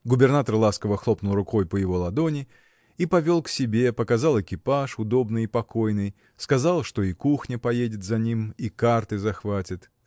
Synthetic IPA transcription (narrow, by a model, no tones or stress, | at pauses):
ɡʊbʲɪrnat̪ərlˠaskəvəxlˠo̞pnʊlˠrʊko̞jpəjɪvo̞lˠɐd̪o̞nʲɪ | ipɐvʲo̞lˠksʲɪbʲe̞pəkɐzɑlˠɪkʲɪpaʂʊd̪o̞bnɨjipɐko̞jnɨj | skɐzalˠʂt̪o̞ikuxnʲəpɐjedʲɪt̪zɐnʲimikart̪ɨzɐxvatʲɪt̪